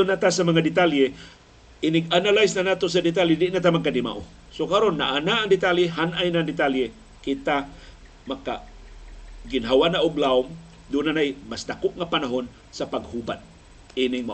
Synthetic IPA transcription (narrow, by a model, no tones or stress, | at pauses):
ʊnat̪asamaŋadɪt̪alje | ʔɪnɪɡanalajsnanat̪os̬adɪt̪̬aljɪdɪʔnat̪amaɡ̚kadɪma̰ʔo | sokaɾonːa̰ʔanaːŋd̪ɪt̪aljeɦanʔajnaŋd̪ɪt̪alje | kɪt̪a | maka̰ | ɡɪnɦawanaʔʊɡlaʊm | d̪unanajmasd̪akʊk̚ŋapanaɦon | sapaɡ̚huba̰t̪̚ | inɪŋma